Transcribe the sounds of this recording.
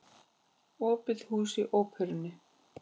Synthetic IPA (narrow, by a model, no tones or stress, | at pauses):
ɔːpɪð̥huːsɪʔoːwkʰœɾɪnːʏ